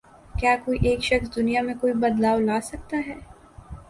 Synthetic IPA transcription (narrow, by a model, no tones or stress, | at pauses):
kjaːkoːiʔeːkʃɐksd̪ʊnijamẽkoːibɐd̪laːwlaːsɐk̚t̪aɦɛː